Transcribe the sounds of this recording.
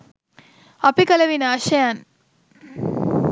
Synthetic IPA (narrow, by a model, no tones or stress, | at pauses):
ɐpikɐlɐʋinɐːʃɐjaːn